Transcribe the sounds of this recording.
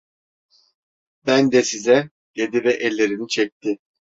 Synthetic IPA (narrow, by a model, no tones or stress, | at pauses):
bænd̪ɛsizɛ | ɟ̥ed̪ivɛʔɛlʲːe̞ɾinit͡ʃʰɛc̚t̪ʰɪ